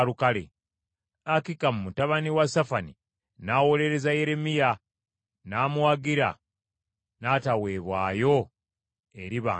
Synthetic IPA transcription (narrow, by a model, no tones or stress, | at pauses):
ɾukalḛ | akikamumutaβaniwasafani | nawo̞le̞ɾe̞zaje̞ɾe̞mija | naːmwaɡiɾa̰ | natawe̞ːβwa̰ːjo̞ | e̞ɾiβa̰